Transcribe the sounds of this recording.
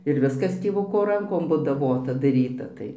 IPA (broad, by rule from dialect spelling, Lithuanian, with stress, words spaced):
ɪr ˈʋʲɪskɐs tʲeːˈʋʊkoː ˈrɐŋkoːm bʊdɐˈʋoːtɐ dɐˈrʲiːtɐ ˈtɐɪ